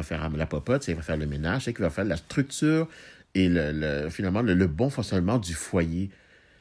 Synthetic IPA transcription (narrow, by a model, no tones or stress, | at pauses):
afɛʁamlapɔpɔt̪sivafɛːʁləmenaʒsekʲivafɛːʁlast̪χyk̚t̪yːʁ | elələfinalmɑ̃lələbɔ̃fɔ̃ksjɔnmɑ̃d̪yfwaje